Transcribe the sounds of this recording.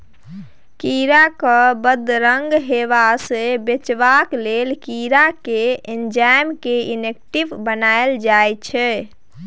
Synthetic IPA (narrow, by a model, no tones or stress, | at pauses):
kiɾakəbəd̪ɾəŋɡɦeʋasebet͡ʃbaklelkiɾakeend͡ʒajmkeinek̚ʈiʋbənaeld͡ʒajt͡ʃʰɛ